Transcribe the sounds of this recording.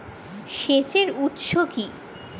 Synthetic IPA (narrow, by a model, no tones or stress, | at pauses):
ʃet͡ɕeɾut̪ʃoki